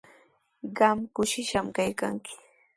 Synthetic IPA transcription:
ɢɑmkʊʃɪʃamkajka̰ŋkɪ̥

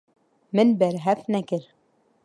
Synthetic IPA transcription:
mɘ̆nbæɾɦæfnækɘɾ

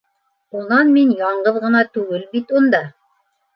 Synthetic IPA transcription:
unɑnminjɑɴɢɤðʁɤ̆nɑt̪ʉɡɘlbit̪und̪ɑ

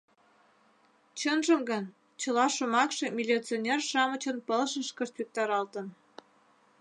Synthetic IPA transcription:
t͡ɕənʒə̆mɡən | t͡ɕə̆lɑʃumɑkʃĕmʲilʲit͡sionʲerʃɑmə̆t͡ɕə̆npəlʃəʃkəʃt̪vʲik̚t̪ɑɾɑlt̪ə̆n

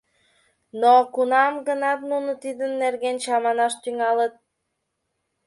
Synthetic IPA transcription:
nokunɑmɡənɑt̪nunət̪id̪ənːerɣenɕɑmɑnɑʃt̪yŋɑlət̪̚

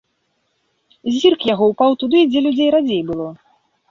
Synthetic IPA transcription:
zʲirkjaɣɔwpawt̪ud̪ɨd͡zʲɛlʲud͡zʲejɾad͡zʲejbɨlˠɔ

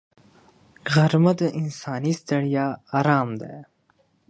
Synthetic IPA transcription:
ɣɐɾmɐt̪eʔinsaːnist̪ɐɽijaːaːɾaːmd̪a̰

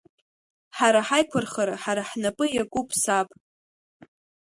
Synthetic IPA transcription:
ħaɾaħajkʷʰarχaɾaħaɾaħnapʼɨjakʷʼupʰʼsapʼ

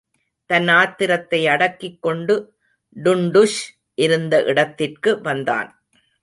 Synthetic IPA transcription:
t̪ɐnaːt̪ːɪɾɐt̪ːɐɪɐɽɐkːɪkːɔɳɖɯ | ɖʊɳɖɯʂ | ʔɪɾɯnd̪ɐʔɪɽɐt̪ːɪrkɯʋɐnd̪a̰ːn

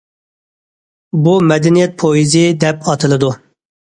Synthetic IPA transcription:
bumɛd̪ɛnijɛt̪̚pʰojizɪd̪ɛpɑt̪ʰɨlˠɨd̪u

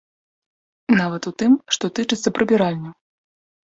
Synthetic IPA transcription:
navɐt̪ut̪ɨmʂt̪ɔt̪ɨt͡ʂɨt̪sːɐpɾɨbʲiɾalʲnʲu

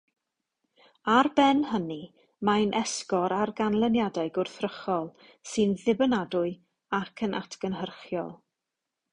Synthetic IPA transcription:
arbɛnɦəni | majnʔɛskɔɾarɡanlˠənjadaɨɡʊrθrəχɔlˠ | sɨnðɪbənadʊɨ | akʰənʔa̰tʰɡ̥ənɦərχjɔ̰lˠ

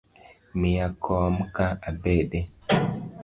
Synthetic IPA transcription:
mijakʰɔmkaabeɗe

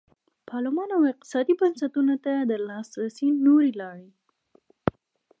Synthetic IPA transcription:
pʰɑlɪmɑnawɪq̚t̪ɪ̥sɑd̪ibansat̪unot̪ad̪əlɑsɾasinoɾilɑɽi

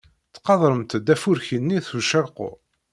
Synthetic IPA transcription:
t͡sːqɑðˤɾˤəmt̪d̪æfuɾçinːiθuʃæɾqʊ̰

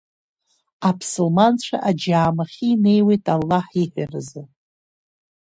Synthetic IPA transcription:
apʰsulmant͡ɕʷʰaʔad͡ʒaːmaχʲiːne̞jwe̞jtʼalːaħiħʷᶣarɨzɨ

